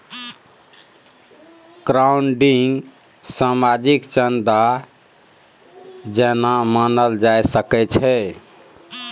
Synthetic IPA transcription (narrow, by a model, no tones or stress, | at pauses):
kɾauɳɖiŋɡ | samad͡ʒikt͡ʃənd̪a | d͡ʒɛnamanəld͡ʒajsəkɛt͡ʃʰɛ